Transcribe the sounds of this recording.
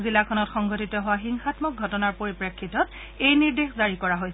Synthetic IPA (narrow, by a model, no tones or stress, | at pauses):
zilakʰɔnɔtxɔŋɡɔtitɔɦʊwaxiŋxatmɔk̚ɡʱɔtɔnaɹpoɹipɹekʰːitɔt | ejniɹdexzaɹikɔɹaɦojs